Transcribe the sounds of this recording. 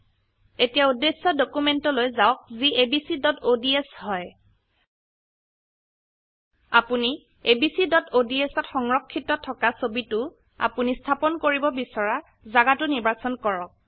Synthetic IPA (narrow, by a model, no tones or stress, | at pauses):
etijaudesːɔdokumentɔlojzaɔk̚ziebisidɔtodieshɔj | apuni | ebisidɔtodiesɔtxɔŋɹɔkʰːitɔtʰɔkasobitʊ | a̰punistʰapɔnkoɹibɔbisɔɹa | zaɡatʊniɹbasɔnkɔɹɔk̚